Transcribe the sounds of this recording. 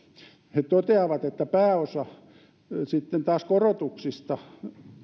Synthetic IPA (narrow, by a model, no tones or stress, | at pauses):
het̪ot̪eɑʋɑt̪et̪ːæpæːosɑ | sit̪ːent̪ɑːskorot̪uksist̪ɑ